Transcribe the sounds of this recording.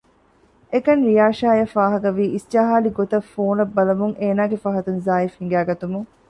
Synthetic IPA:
ekɐnɾijaːʃaːjɐfaːɦɐkɐʋiːʔist͡ʃɐɦaːliɡot̪ɐfoːnɐbːɐlɐmuŋeːnaːɡefɐɦɐt̪unzaːifhiŋɡæːɡɐt̪umuŋ

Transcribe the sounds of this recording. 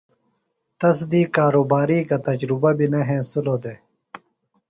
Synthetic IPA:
t̪ɐs̬d̪iːkaːɾoːbaːɾiːkat̪ɐd͡ʑɾubabineɦẽːsuloːd̪eː

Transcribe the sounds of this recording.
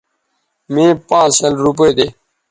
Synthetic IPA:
mẽːpãːsəlɾup̬ojd̪eː

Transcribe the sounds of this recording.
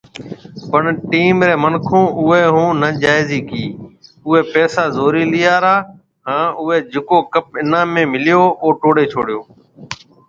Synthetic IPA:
pəɳʈiːmɾeːmənkʰõːʔʊeːɦũːnəd͡ʒaːɪziːkiː | ʊɦeːpɛːsaːzoːɾiːlɪjaːɾaː | ɦãːʊɦeːd͡ʒɪkoːkəp̚ɪnãːmẽːmɪlɪjoːʔoːʈoːɽeːt͡ʃʰoːɽɪjoː

